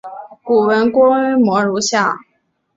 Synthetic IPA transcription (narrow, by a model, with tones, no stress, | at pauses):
pu˨˩wə˧˥nkwɔ˥y˥mwɔ˧˥ɻu˧˥ɕja˥˩